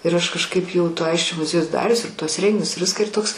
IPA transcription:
ɪr ˈɐʃ kɐʃˈkɐɪp jɛʊ toː ˈɐɪsʲt͡ʃʲoː mʊˈzʲiɛjʊs ˈdɑːrʲʊs ɪr tuɔs ˈrʲɛŋʲɡʲɪnʲʊs ɪr ˈʋʲɪskɑː ɪr ˈtoːks

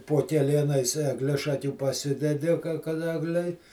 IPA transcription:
poː kʲɛˈlʲiɛnɐɪs ɛɡˈlʲɪʃɐkʲuː pɐˈsʲɪdʲɛdʲɪ kɐ kɐt ˈæːɡlʲɛɪ

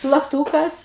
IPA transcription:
plˠɐkˈtuːkɐs

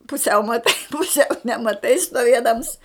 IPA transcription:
pʊˈsʲɛʊ mɐˈtɐɪ pʊˈsʲɛʊ nʲɛmɐˈtɐɪ stuɔˈʋʲiɛdɐms

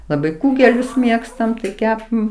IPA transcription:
lˠɐˈbɐɪ ˈkuːɡʲɛlʲʊs ˈmʲeːkstɐm tɐɪ ˈkʲæːpɐm

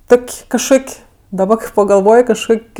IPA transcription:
ˈtoːkʲ kɐʃˈkoːkʲ dɐˈbɐ pɐɡɐlˠˈʋoːj kɐʃˈkoːkʲ

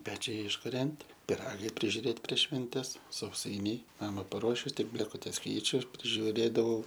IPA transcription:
ˈpʲæːt͡ʃʲɛɪ ɪʃkʊˈrʲɛnʲtʲ pʲɪˈrɑːɡɐɪ pʲrʲɪʒʲʊˈrʲeːtʲ pʲrʲiɛʃ ʃʲʋʲɛnʲˈtʲɛs sɐʊˈsɐɪnʲɛɪ ˈnɑːmɐ pɐˈruɔʃʲʊ ˈtʲɪk bʲlʲeːkʊˈtʲɛs ˈkʲɛɪt͡ʃʲʊ pʲrʲɪʒʲʊˈrʲeːdɐʋɐʊ

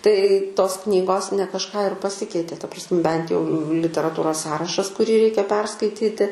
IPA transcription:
tɐɪ ˈtoːs ˈknʲiːɡoːs nʲɛ kɐʃˈkɑː ɪr pɐˈsʲɪkʲɛɪtʲeː tɐ prɐs ˈbʲɛnt jɛʊ lʲɪtʲɛrɐˈtuːroːs ˈsɑːrɐʃɐs kʊˈrʲiː ˈrʲɛɪkʲɛ ˈpʲɛrskɐɪtʲiːtʲɪ

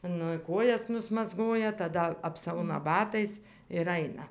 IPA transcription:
ˈnʊ ˈkoːjɛs nʊsmɐzˈɡoːjɛ tɐˈdɐ ɐpˈsɐʊnɐ ˈbɑːtɐɪs ɪr ˈɐɪnɐ

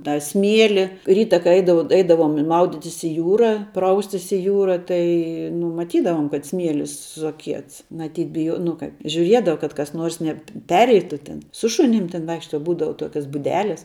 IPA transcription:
tɑː ˈsʲmʲiɛlʲɪ ˈrʲiːtɐ kɐɪ ˈɛɪdɐʋɐʊ ˈɛɪdɐʋoːm ˈmɐʊdʲɪtʲɪs ɪ ˈjuːrɐ ˈprɐʊsʲtʲɪs ɪ ˈjuːrɐ ˈtɐɪ nʊ mɐˈtʲiːdɐʋoːm kɐt ˈsʲmʲiɛlʲɪs sʊɐˈkʲiɛts mɐˈtʲiːt bʲɪˈjuɔ nʊ ˈkɐɪp ʒʲʊˈrʲiɛdɐʋɐ kɐt kɐs ˈnuɔrs nʲɛˈpʲæːrʲɛɪtʊ tʲɪn sʊ ˈʃʊnʲɪm tʲɪn ˈʋɐɪkʃtɐ ˈbuːdɐʋɐ ˈtoːkʲɛs bʊˈdʲæːlʲɛs

